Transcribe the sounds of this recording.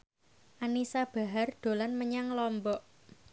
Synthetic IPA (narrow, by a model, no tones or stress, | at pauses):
ʔanisab̥a̤ɦard̪̥o̤lanməɲaŋlɔmbɔʔ